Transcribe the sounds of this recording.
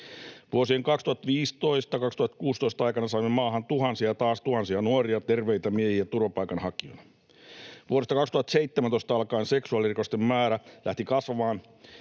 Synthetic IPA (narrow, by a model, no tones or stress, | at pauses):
ʋuosieŋkɑkst̪uhɑt̪ʋiːst̪o̞ist̪ɑkɑkst̪uhɑt̪kuːst̪oist̪ɑɑijkɑnɑsɑimːemɑːɦɑnt̪uhɑnsiɑt̪ɑːst̪uhɑnsiɑnuoriɑt̪erʋejt̪æmiehiæt̪urʋɑpɑijkɑnhɑkionɑ | ʋuoɾest̪ɑkɑkst̪uhɑt̪seit̪ːemænt̪oist̪ɑɑlkɑːnseksuɑlirikost̪emːæːɾælʔæ̰ht̪ikɑsʋɑːn